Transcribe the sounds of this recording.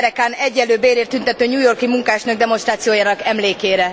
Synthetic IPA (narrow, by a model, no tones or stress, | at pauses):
ɾɛkaːnɛɟːɛlːøːbeːɾeːrt̪ynt̪ɛt̪øːɲuːjo̞rkimuŋkaːʃnøɡ̚d̪ɛmonʃt̪ɾaːt̪sijoːjaːnɒkɛmleːkeːɾɛ